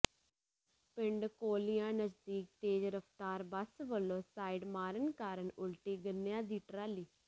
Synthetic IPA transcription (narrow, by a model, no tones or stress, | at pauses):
pɪɳɖkoːlɪjãːnəd͡ʒd̪iːk̚t̪eːd͡ʒɾəft̪aːɾbəsʋəlːõːsaːiɖmaːɾənkaːɾənʊlʈiːɡənːjãːd̪iːʈɾaːliː